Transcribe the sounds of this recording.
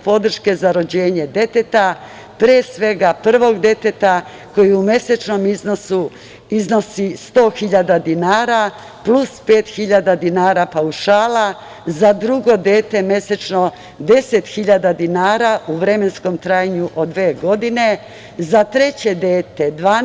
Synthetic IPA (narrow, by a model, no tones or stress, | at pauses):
po̞d̪r̩ʃke̞zaɾo̞d͡ʑe̞ːɲe̞d̪e̞t̪e̞t̪a | pɾeesʋe̞ɡapr̩ʋo̞ɡd̪e̞t̪et̪a | ko̞jiume̞set͡ʃno̞mizno̞su | izno̞sist̪o̞ːxiʎad̪ad̪inaːɾa | plˠuspe̞ːt̪xiʎad̪ad̪inaːɾapauʃaːla | zad̪ɾuɡo̞d̪e̞ːt̪e̞me̞set͡ʃno̞ | d̪e̞set̪xiʎad̪ad̪inaːɾaʔuʋɾe̞me̞nsko̞mt̪ɾajaɲuʔo̞d̪ʋeːɡo̞d̪ine̞ | zat̪ɾe̞t͡ɕe̞d̪eːt̪e̞d̪ʋaː